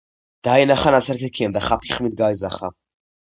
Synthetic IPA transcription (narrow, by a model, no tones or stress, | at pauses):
d̪̥ajnaχanat͡sɛɾkɛkʰimd̪aχapiχmid̪̚ɡajzaχa